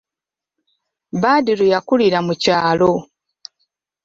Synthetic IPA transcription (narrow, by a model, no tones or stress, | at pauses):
baːdiɾujakuliɾamucaːlo